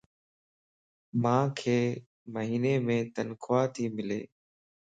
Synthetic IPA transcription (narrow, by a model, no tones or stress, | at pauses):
mãːkʰeː | məɦiːneːmẽːt̪ənkʰʊaːt̪ʰiːmɪlḛː